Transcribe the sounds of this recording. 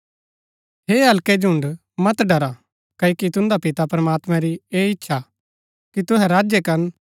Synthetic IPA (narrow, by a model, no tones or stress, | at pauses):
ɦeːɦɐlked͡ʒʊ̃ɳɖ | mɐt̪ɖɐɾa | kɐokit̪ʊ̃nd̪apɪt̪apɾɐmaːt̪mɛ̃ɾieːɪtːʃʰa | kit̪ʊɦɛ̃ɾaːd͡ʒjekɐɾn